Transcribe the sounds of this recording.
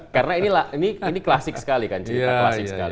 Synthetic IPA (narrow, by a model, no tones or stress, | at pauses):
kaɾənainilahiniiniklasɪk̚sə̥kalikant͡ʃiaklasɪk̚səəka̰li